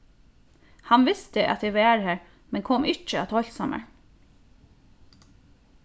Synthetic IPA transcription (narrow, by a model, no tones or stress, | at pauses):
hɑnʋɪst̪əʔɑ̰t̪ɛʋæːɾhæːɹ | mɛnkʰɔmʔɪt͡ʃəɑt̪ʰɔlsɑmʔə̰ɹ